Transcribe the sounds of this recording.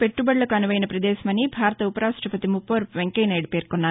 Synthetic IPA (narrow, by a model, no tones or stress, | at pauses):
pe̞ʈːubɐɽlɐkuɐnuʋɐjnɐpɾɐd̪ɛːʃɐmɐnibʱaːɾɐt̪ɐupɐɾaːsʈɐpɐt̪imupːoːɾʋeŋkɐjnɐjɖpeːɾkɔnːaː